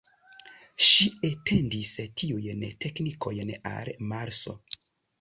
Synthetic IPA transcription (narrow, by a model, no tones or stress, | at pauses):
ʃiete̞ndistʰiujntʰe̞knikʰo̞jna̰lmaɾso̞̰